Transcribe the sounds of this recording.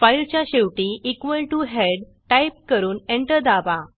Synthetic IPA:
fajlt͡ɕjaɕeʋʈiʔikʋəlʈuɦeɖ | ʈajp̚kəɾuːnẽɳʈəɾd̪aba

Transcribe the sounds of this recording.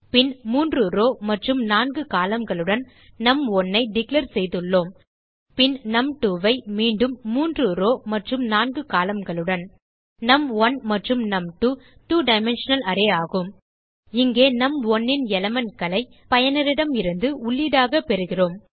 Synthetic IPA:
pɪnmuːndrɯɾoːmɐʈrɯmnaːnɡɯkaːlɐmɡɐɭɯɽɐn | nɐmɔnːɐɪɖɪklɐɾsɛjðɯɭːoːm | pɪnnɐmʈuːʋɐɪmiːɳɖɯmːuːndrɯɾoːmɐʈrɯmnaːnɡɯkaːlɐmɡɐɭɯɽɐn | nɐmʋɐnmɐʈrɯmnɐmʈuː | ʈuːɖɐɪmɛnʂɐnɐlɐɾeːaːɣɯm | ɪŋɡeːnɐmɔnːɪnɛlɐmɐnkɐlɐɪ | pɐjɐnɪɾɪɽɐmɪɾɯnd̪ɯʊɭːiɽaːɣɐpɛɾɯɣɪroːm

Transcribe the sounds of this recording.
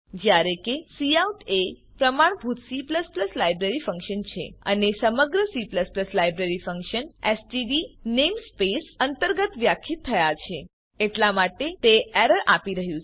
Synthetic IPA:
d͡ʒjaɾekesiauʈe | pɾəmaɳ̃bʱut̪sipləspləslajbɾeɾifə̃ŋkʃənt͡ʃʰḛə̰nesəməɡɾəsipləspləslajbɾeɾifəŋkʃənesʈiɖinemspesənt̪əɾɡət̪ʋjakʰit̪ʰːəjat͡ʃʰe | eʈlamaʈet̪eɛɾəɾʔapiɾəɦjũ

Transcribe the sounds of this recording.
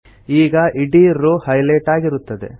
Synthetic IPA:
iːɡɐʔiɖiɾuhɐjlɐːʈaːɡiɾut̪ːɐd̪e̞̰

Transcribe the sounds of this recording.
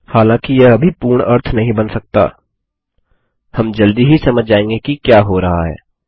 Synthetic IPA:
haːlãːkijɛɐbʱipuːɾɳʔɐɾt̪ʰnɐɦĩbɐnsɐk̚t̪a̰ː | hɐmd͡ʒɐld̪iɦisɐməd͡ʒʱd͡ʒaːẽːŋɡekikjaːɦoɾɐɦa̰ɦɛ̰ː

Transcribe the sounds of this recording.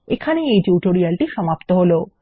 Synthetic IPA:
ekʰaneejʈuʈoɾialʈiʃɔmapt̪oɦolo

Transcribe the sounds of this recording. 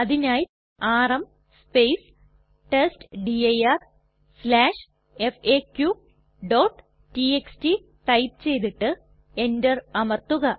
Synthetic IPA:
ɐðinaːj | aːrɐm | spejs | ʈesʈɖiɐjɐr | slaːʂ | efeːkːju | ɖoːʈː | ʈieksʈi | tɐjp̚t͡ɕe̞jt̪iʈːɨ | endɐrɐmɐrt̪uɣɐ

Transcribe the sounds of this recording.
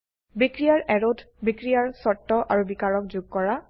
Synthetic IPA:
bikɹijaɹɛɹodʱbikɹijaɹsɔtːɔʔaɹubikaɹɔkzuɡ̚kɔɹa

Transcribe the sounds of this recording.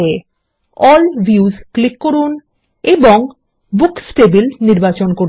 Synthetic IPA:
e | ɔlbʱjuzklikːoɾun | eboŋ | buksʈebilniɾbat͡ɕonkoɾ

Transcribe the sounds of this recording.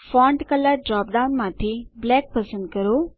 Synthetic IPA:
fɔ̃ːɳɖkɐləɾɖɾaːp̚ɖaʊnmãt̪ʰiblɛːk̚pɐsə̃nd̪̚kɐɾo

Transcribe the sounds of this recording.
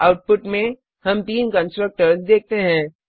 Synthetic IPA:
aʊʈ̚pʊʈmẽ | hɐmt̪iːnkə̃nsʈɾək̚ʈəɾsd̪eːk̚t̪eɦɛ̃ː

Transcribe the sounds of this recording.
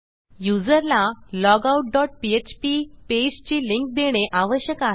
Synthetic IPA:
jud͡zəɾlalɔɡauʈ̚ɖɔʈ̚piet͡ɕpiped͡ʑt͡ɕiːliŋk̚d̪eɽ̃eʔaʋəɕjəkaɦ

